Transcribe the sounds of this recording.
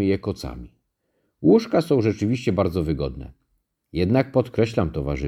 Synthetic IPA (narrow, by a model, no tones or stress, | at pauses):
ɘjɛkɔt̪sa̰mʲi | wuʂkasɔ̃w̃ʐɛt͡ʂɘvʲiɕt͡ɕɛbaɾd̪zɔvɘɡɔd̪nɛ̰ | jɛd̪nak̚pɔt̪kɾɛɕlamt̪ɔva̰ʐɘ